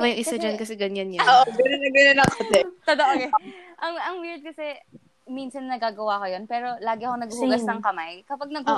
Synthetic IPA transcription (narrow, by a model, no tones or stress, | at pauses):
bɐjʊŋʔɪsad͡ʒɐnkɐsɛɡɐɲanjɐoːʔɡɐnɐnɐɡɐnɐnɐkot̪ɛot̪ɐʔoɡɛʔɐŋʔɐŋwiɹd̪̚kɐsɛ | minsɐnːɐɡaːɡɐwakojonpɛːɾo̞laːɡɪʔɐkonɐɡuhʊɡɐsnɐŋkɐmajkɐpɐɡ̚nɐɡ